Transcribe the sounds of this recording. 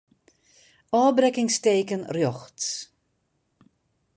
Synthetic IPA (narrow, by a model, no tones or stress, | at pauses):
ɔːbrɛkɪŋsteːkənrjɔxts